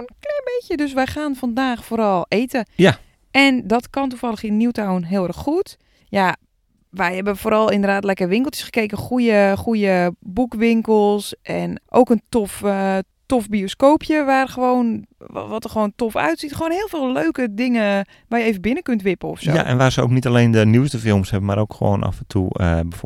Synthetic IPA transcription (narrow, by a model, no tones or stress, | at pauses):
nklɛnbekjədøs̬ʋɛjxaːnfɔndaːxfoːɾɔlˠeːtəa | ɛndɔtkɔntufɑləxɪnnːiwtawnɦɪːlˠɛrxːut | ja | ʋɛjhɛbənfoːɾɔlˠɪndərdaːtlɛkərʋɪŋkl̩ˠtə̥sxə̥keːkəxujəxujəbukʋɪŋkəlˠsʔɛnʔo̰wkəntof | tofbioskoːpʰjəʋaːrxəʋoːnʋɔtərxʋoːntɔfœ̰ɥtsitxəʋoːnhɪːlˠvɪːlˠløɥkədɪŋə | ʋaːjəeːvənbɪnəkøntʋɪpəɔ̰fsoj̰a̰ʔɛ̰nʋaːsəo̰wknitaleːndəniwstəfɪlˠmshɛbəmaɾo̰wkxəʋo̰ːna̰fɛntʰṵəbə